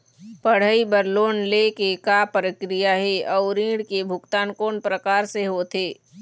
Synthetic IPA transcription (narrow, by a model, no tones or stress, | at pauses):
pəɽ̤əibəɾloːnlekekapɾəkɾijaɦɛɔːʊɾĩːɽkebʱʊkt̪aːnkoːnpɾəkaːɾseɦot̪ʰeː